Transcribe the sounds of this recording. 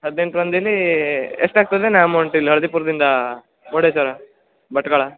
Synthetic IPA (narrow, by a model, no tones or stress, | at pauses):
ɦɐd̪ne̞ɳʈɾɐnd̪ɐlːieʂʈaːɡ̚t̪ɐd̪enaːmɐwɳʈilːɐɭɐd̪ipuːɾɐd̪ind̪ɐ | oːɽesɐɾɐ | bɐʈːɐɡɐɭɐ